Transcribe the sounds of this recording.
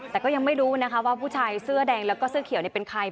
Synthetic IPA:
t̪ɛː˨˩kɔː˥˩ja˧ŋma˥˩jɾuː˦˥na˦˥kʰa˦˥waː˥˩pʰuː˥˩t͡ɕʰaː˧jsɯ˥˩ɐdɛː˧ŋlɛː˦˥wkɔː˥˩sɯ˥˩əkʰi˩˦wni˥˩pe˧nkʰa˧j

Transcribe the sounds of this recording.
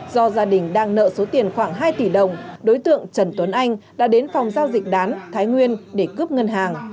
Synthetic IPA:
z̥ɔ˧zaː˧ɗï˧˩ŋ̟ɗaː˧ŋnə̰ː˧˨so˨˦t̪i˨˩ənxwaː˧˩ŋɦaː˧jt̪i˧˩ɗə˨˩wŋ͡mɗo˨˦jt̪ɨ̰˧˨əŋt͡ɕə˧˩nt̪wə˨˦nʔa˧jŋ̟ɗa̰ː˧˥ɗe˨˦nfa˨˩wŋ͡mzaː˧wzï˨˩k̟̚ɗaː˨˦nt̪ʰaː˨˦jŋwi˧ənɗe˧˩kɨ˦˥p̚ŋə˧nɦaː˨˩ŋ

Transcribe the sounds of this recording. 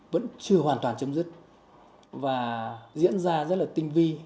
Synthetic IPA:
və̰˧˥nt͡ɕɨ˧əhwaː˨˩nt̪waː˨˩nt͡ɕə˧˦mzɨ˦˥k̚ | vaː˨˩zḭ˧˥ənzaː˧zə˦˥t̚laː˨˩t̪ï˧ŋ̟vi˧

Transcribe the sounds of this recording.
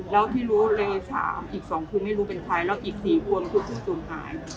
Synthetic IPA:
lɛː˦˥wt̪ʰiː˥˩ɾuː˦˥lɤː˧jsa̰ː˩˦mʔiː˨˩k̚sɔː˩˦ŋkʰuː˧ma˥˩jɾuː˦˥pe˧nt͡ɕʰaː˦˥jlɛː˦˥wʔiː˨˩k̚siː˨˩kʰu˧ənk̪ʰuː˥˧˩tʰɯː˥˩t͡ɕuː˨˧˩nha̰ː˨˩˦j

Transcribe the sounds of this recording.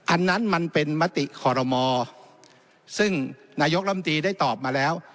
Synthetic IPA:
ʔa˧nːa˦˥nma˧npe˧nma˦˥t̪i˨˩kʰɔː˧ɾɔ˧mɔː˧ | sɯ˥˩ŋ | naː˧jo˦˥k̚ɾa˥˧˩mo˧t̪ɾiː˧daː˥˩jt̪ɔː˨˩p̚maː˧lɛː˦˥w

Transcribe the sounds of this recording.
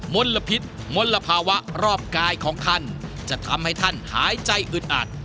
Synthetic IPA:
mo˧nla˧pʰi˦˥t̪̚ | mo˧nla˧pʰaː˧wa˦˥ʔɾɔː˥˩p̚kaː˧jkʰɔː˩˦ŋt̪ʰa˥˩nt͡ɕa˨˩t̪ʰa˧mha˥˩jt̪ʰa˥˩nha̰ː˩˦jt͡ɕa˧jʔɯː˨˩t̪̚ʔa̰˨˩t̪̚

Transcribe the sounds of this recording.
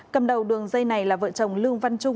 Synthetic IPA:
kə˨˩mɗə˨˩wɗɨ˨˩əŋzə˧jna˨˩jlaː˨˩və̰ː˧˨t͡ɕə˨˩wŋ͡mlɨ˧əŋva˧nt͡ɕʊ˧ŋ͡m

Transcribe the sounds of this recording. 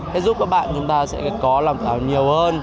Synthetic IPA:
e˨˦zu˦˥p̚kaː˦˥k̚ɓa̰ː˧˨nt͡ɕʊ˨˦ŋ͡mt̪aː˧sɛ̰˧˥kɔ˨˦laː˨˩mt̪aː˧˩wɲi˨˩əwhəː˧n

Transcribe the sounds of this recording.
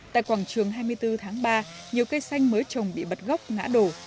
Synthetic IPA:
t̪a̰ː˧˨jkwaː˧˩ŋt͡ɕɨ˨˩əŋɦaː˧jmɨ˧əjt̪ɨ˧t̪ʰaː˨˦ŋɓaː˧ɲi˨˩əwkə˧jsa˧jŋ̟məː˨˦jt͡ɕə˨˩wŋ͡mɓḭ˧˨ɓə˨˩t̚ɣa˦˥wk͡p̚ŋa̰ː˧˥ɗo˧˩

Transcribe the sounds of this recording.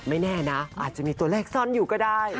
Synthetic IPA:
ma˥˩jnɛː˥˩na˦˥ʔa̰ː˨˩t̪̚t͡ɕa˨˩miː˧t̪u˧ɐlɛː˥˩k̚sɔ˥˩njuː˨˩kɔː˥˩daː˥˩j

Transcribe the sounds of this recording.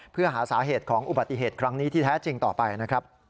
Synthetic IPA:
pʰɯ˥˩ɐɦaː˩˦saː˩˦ɦeː˨˩t̪̚kʰɔː˩˦ŋʔu˨ba˨˩t̪ːi˨˩ɦeː˨˩t̪̚kʰɾa˦˥ŋniː˦˥t̪ʰiː˥˩t̪ʰɛː˦˥t͡ɕi˧ŋt̪ɔː˨˩pa˧jna˦˥kʰɾa˦˥p̚

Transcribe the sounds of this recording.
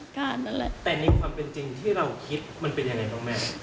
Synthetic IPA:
kaː˧˩nːa˦˧˥nla˨˩t̪ɛː˨˩na˧jkʰwaː˧mpe˧nt͡ɕi˧ŋt̪ʰiː˥˩ɾa˧wkʰi˦˥t̪̚ma˧npe˧nja˧ŋːa˧jkɔː˦˥mɛː˥˩

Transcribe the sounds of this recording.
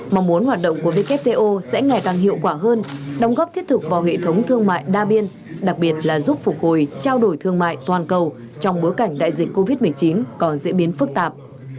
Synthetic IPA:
ma˨˧wmu˨˦ənhwaː˨˩t̚ɗə̰˧˨wŋ͡mku˧˩əve˧kɛ˦˥p̚t̪e˧ʔo˧sɛ̰˧˥ŋa˨˩jkaː˨˩ŋɦḭ˧˨əwkwaː˧˩ɦəː˧nɗə˨˦wŋ͡mɣɔ˦˥p̚t̪i˦˥ət̪̚ɨ˨˩k̚vaː˨˩wɦḛ˧˨t̪ʰə˨˦wŋ͡mt̪ʰɨ˧əŋma̰ː˧˨jɗaː˧ɓi˧ən | ɗa˨˩k̚ɓi˨˩ət̚laː˨˩zu˦˥p̚fʊ˨˩k̚ho˨˩jt͡ɕaː˧wɗo˧˩jt̪ʰɨ˧əŋma̰ː˧˨jt̪waː˨˩nkə˨˩w | t͡ɕɔ˧wŋ͡mɓo˨˦jka˧˩jŋ̟ɗa̰ː˧˨jzï˨˩k̟̚ko˧vi˦˥t̚mɨ˨˩əjt͡ɕi˨˦nkɔ˨˦nzḛ˧˥ɓi˨˦ənfɨ˦˥k̚t̪aː˨˩p̚

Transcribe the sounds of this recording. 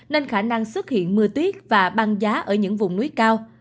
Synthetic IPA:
ne˧nxaː˧˩na˧ŋsɨ˦˥t̚hḭ˧˨ənmɨ˧ət̪wi˦˥ət̚vaː˨˩ɓaː˧ŋzaː˨˦ʔəː˧˩ɲɨ̰˧˥ŋvʊ˨˩ŋ͡mnu˨˦jkaː˧w

